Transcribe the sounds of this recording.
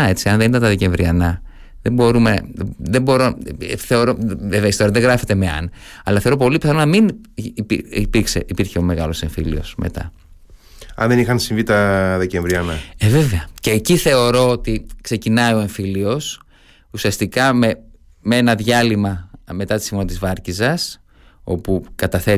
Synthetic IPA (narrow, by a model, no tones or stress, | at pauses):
e̞t͡siɐnðe̞nit̪ɐnt̪ɐðece̞ɱvɾiɐnɐ | ðebo̞ɾumeðe̞bo̞ɾo̞θe̞o̞ɾo̞veveɐist̪oɾɐðeŋɣɾɐfe̞t̪e̞meɐ̰nɐlɐθeɾo̞po̞lipi̥θɐnonɐminpiipikseʔipiɾçe̞ome̞ɣɐlo̞seɱfḭlḭo̞̰sme̞̰t̪ɐ̰ | ɐ̰nðenixɐnsiɱvit̪ɐðeceɱvɾiɐnɐeve̞veɐce̞ːciθe̞o̞ɾo̞ot̪ikse̞cinɐio̞e̞ɱfilio̞s | usiɐst̪ikɐme | mee̞nɐðʝɐlimɐme̞t̪ɐt̪i̥simonɐt̪izvɐɾcizɐs | o̞pukɐt̪ɐθe̞